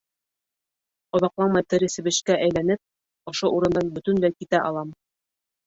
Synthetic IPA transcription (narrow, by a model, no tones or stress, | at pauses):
ŏðɑqlˠɑɴmɑjt̪ɘ̆ɾɘ̆sɘ̆βɘ̆ʃkæʔæjlænɘp̚ | ŏʃoʔuɾɤ̆nd̪ɑnbɵ̆t̪ɵ̆nlæjkit̪æʔɑ̰lˠɑm